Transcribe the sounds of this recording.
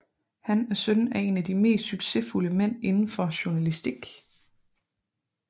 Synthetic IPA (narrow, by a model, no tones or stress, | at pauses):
hænæɐsœnæe̝næd̥ime̝̰ːsd̥syɡ̥se̝fuləmen̰e̝nn̩fɒ̽ɕuɐnælisd̥iɡ̥